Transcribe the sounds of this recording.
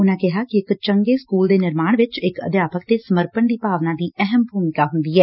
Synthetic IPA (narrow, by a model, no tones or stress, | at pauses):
ʊnãːkɪɦaːkɪɪkt͡ʃəŋɡeːskuːld̪eːnɪɾmaːɳ̃ʋɪt͡ʃɪkə̰d̪jaːpəkt̪eːsəməɾpəɳd̪iːpaːʋnãːd̪iːɛɦəmbʱuːmɪkaːɦʊnd̪iːɦɛː